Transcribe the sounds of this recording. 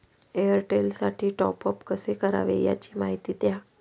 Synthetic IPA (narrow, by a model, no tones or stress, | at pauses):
eəɾʈelsaʈʰiːʈɔpəpkəsekəɾa̰ʋḛja̰t͡ɕiːmaɦit̪iːt̪ja